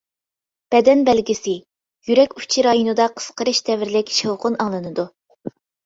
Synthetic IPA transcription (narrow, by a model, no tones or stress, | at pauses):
b̥ɛd̪ɛnbɛlɡʲisɪ | jyɾɛkʲyt͡ʃʰiɾɑːjunɨd̪ɑqʰə̥sqʰəɾɨʃd̪ɛvɪɾɪlɪkʲʃowqʊnɑŋlˠɨnɨd̪u